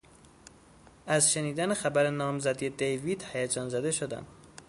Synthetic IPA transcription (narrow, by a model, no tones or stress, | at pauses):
æzʃeniːd̪ænexæbæɾenɒːmzæd̪ied̪ejvid̪hæjæd͡ʒɒːnzæd̪eʃod̪æ̰n